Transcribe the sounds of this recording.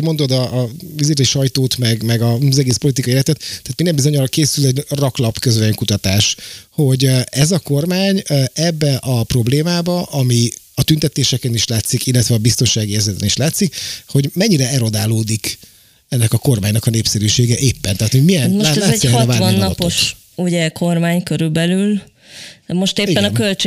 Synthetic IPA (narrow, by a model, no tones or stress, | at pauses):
mo̞nd̪o̞d̪ɒʔːviziɾiʃɒjt̪oːt̪mɛɡmɛɡɒzɛɡeːspo̞lit̪ikɒjielɛt̪ɛt̪t̪ːɛaːt̪mind̪ɛmbizo̞ɲɒrkeːsylɛɟrɒklɒpkøzvɛjɛŋkut̪ɒt̪aːʃho̞ɟɛzɒko̞rmaːɲɛbːɛʔɒpro̞bleːmaːbɒʔɒmiɒt̪ynt̪ɛt̪eːʃɛkɛniʃlaːt̪sikilːɛt̪ʋɛɒbist̪o̞nʃaːɡiɛzɛt̪ɛniʃlaːt̪sikho̞ɟmɛɲːiɾɛɛɾo̞d̪aːloːd̪ik | ɛnːɛkɒko̞rmaːɲnɒkɒneːpsɛɾyːʃeːɡɛʔeːpːɛnt̪ɛaːt̪ho̞ɟmijɛnmoʃaːɛaːɛɛɒt̪ːvaːvɔnːɒtpoʃ | uɟɛkʰo̞rmaːɲkøɾylbɛlyl | mo̞ʃt̪eːipːɛnɒkølt͡ʃ